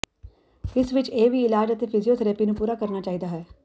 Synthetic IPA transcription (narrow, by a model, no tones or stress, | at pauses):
ɪsʋɪt͡ʃeːʋiːɪlaːd͡ʒət̪eːpʰɪzijoːt̪ʰəɾəpiːnũːpuːɾaːkəɾnaːt͡ʃaːiːd̪aːɦɛː